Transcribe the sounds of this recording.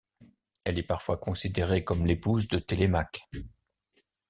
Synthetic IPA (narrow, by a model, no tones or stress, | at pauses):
ɛlɛpaʁfwakɔ̃sid̪eʁekɔmlepuzd̪ət̪elemak